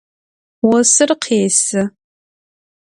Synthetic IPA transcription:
wɔsɨrqʰeːsɨ

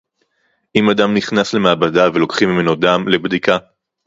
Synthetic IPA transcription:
ʔimadamniχnasle̞maːbadavelo̞kχimːimenodamle̞bdika

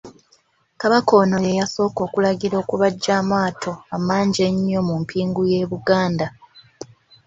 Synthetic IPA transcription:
kaβako̞ːno̞jejaso̞ːko̞ːkulaɡiɾo̞ːkuβaɟːaːmaːtʰo̞amaːɲɟe̞ɲːo̞mumpʰiːŋɡuje̞ːβuɡaːnda

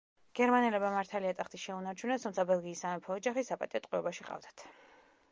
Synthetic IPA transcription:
ɡ̥ɛɾmanɛlɛbmamaɾt̪ʰaliat̪ʼaχt̪iʃɛunaɾt͡ʃʰunɛst̪ʰumt̪sʰabɛlˠɡiːsamɛpʰɔːd͡ʒaχisapʼa̰t̪ʼiɔt̪ʼqʼwiɔbaʃiqʼa̰vd̪ḁt̪ʰ

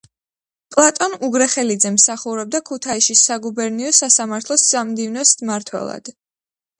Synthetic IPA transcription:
pʼlˠat̪ʼɔnuɡɾɛχɛlid̪zɛmsaχuɾɛb̚d̪akʰut̪ʰaiʃisaɡubɛɾniɔsasamaɾt̪ʰlˠɔsz̥amd̪ivnɔsmaɾt̪ʰwɛ̰lˠa̰d̪̥

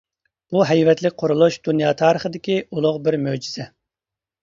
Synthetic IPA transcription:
b̥uɦɛjvɛt̪lɪk̚ʲqʰoɾulˠuʃd̪unjɑːt̪ʰɑːɾəχəd̪ɪkʲiulˠʊʁbɪɾmød͡ʒiz̥ɛ

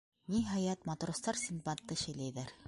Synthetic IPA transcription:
nʲiɦɑjɑt̪mɑt̪rost̪ɑɾsʲimpat̪ːɤʃɘ̆jlæjðæɾ

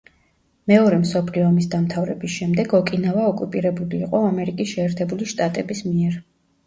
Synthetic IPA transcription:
mɛɔɾɛmsɔpʰliɔmisd̪amt̪ʰavɾɛbisʃɛmd̪ɛɡɔkʼinavaɔkʼupʼiɾɛbuliːqʼɔamɛɾikʼisʃɛːɾt̪ʰɛbuliʃt̪ʼat̪ʼɛbismiɛɾ

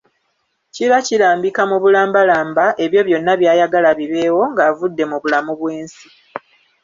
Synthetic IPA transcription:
ciɾacilaːmbikamuβulaːmbalaːmbaʔe̞βjo̞βjo̞nːaβjaːjaɡalaβiβe̞ːwo̞ŋɡaːvudːe̞muβulamuβweːnsi̥

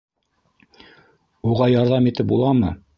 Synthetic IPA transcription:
uʁɑjɑɾðɑmit̪ɘp̚bulˠɑmɤ

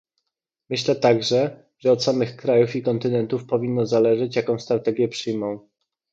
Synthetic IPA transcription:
mɘɕlɛt̪aɡʐɛ | ʐ̥ɛɔt̪samɘxkɾajufikɔnt̪ɘnɛnt̪ufpɔvʲinːɔzalɛʐɛt͡ɕjakɔ̃w̃st̪ɾat̪ɛɡʲjɛpʂɘjmɔ̃w̃

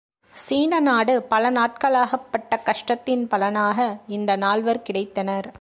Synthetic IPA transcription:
siːnɐnaːɽɯpɐlɐnaːʈ̚kɐɭaːɣɐpːɐʈːɐkɐʂʈɐt̪ːɪnpɐlɐnaːɣɐɪnd̪ɐnaːɭʋɐɾkɪɽɐɪt̪ːɐnɐɾ

